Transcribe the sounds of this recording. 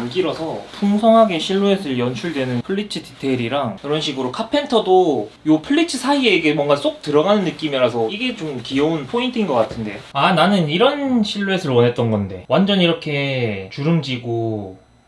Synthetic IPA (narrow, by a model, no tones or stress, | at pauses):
amɡ͈iɾʌsʰʌpʰuŋsʰʌŋɦaɡeɕʰiɭːuesʰɯɭjʌnt͡ɕʰuɭdwe̞nɯnpʰɯɭːit͡ɕʰɯti̥tʰe̞ɾiɾaŋɯɾʌnɕʰiɡɯɾokʰapʰe̞ntʰʌdojopʰɯɭːit͡ɕʰɯsʰaieɡe̞mwʌŋɡas͈ok̚tɯɾʌɡanɯnːɯk͈imiɾasʰʌiɡe̞t͡ɕomkijʌunpʰointʰinɡʌk͈atʰɯnde̞ananɯniɾʌnɕʰiɭːue̞sʰɯɭwʌne̞t̚t͈ʌnɡʌnde̞̰wand͡ʑʌniɾʌkʰe̞t͡ɕuɾɯmd͡ʑiɡo